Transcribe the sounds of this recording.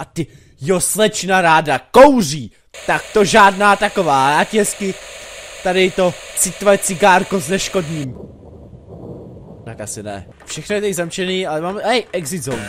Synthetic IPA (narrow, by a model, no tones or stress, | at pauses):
ʔat̪ɪ | joslɛt͡ʃnaɾaːdakowr̝iː | t̪akt̪oʒaːdnaːt̪ako̞vaːjaːcɪɦɛskɪt̪adɪt̪ot͡sɪt̪voɛt͡sɪɡaːɾko̞znɛʃko̞dɲiːm | t̪akasɪnɛ̰ | fʃɛxnojɛt̪aɪzamt͡ʃɛniːalɛmaːmɛhɛjʔɛɡzɪzo